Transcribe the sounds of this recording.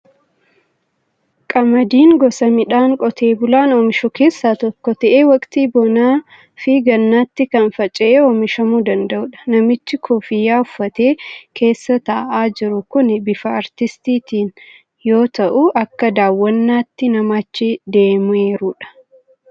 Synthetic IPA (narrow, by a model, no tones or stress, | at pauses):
kʼɐmɐd̪iːŋɡɔsɐmɪᶑaːŋkʼɔt̪ʰe̞ːbʊlaːnoːmɪʃɔke̞ːsːaːt̪ɔkːɔt̪ɐʔeːwɐkʼt̪iːbɔnaː | fɪɡɐnːaːt̪ːɪkɐnfɐt͡ʃʼɪʔeoːmɪʃɐmuːd̪ɐnd̪ɐʔʊᶑɐ̥nɐmɪt͡ʃːɪkʰoːfɪjːaːʊfːɐt̪e̞ːkʰe̞ːsːɐt̪ɐʔaːd͡ʒɪɾʊkʊnɛbɪfɐɐɾt̪ɪst̪iːt̪iːn | jo̞ːt̪ɐʔʊʔɐkːɐd̪aːwːɐnːaːt̪ːɪnɐmaːt͡ʃːɪd̪e̞ːmʊeːɾuːᶑɐ̥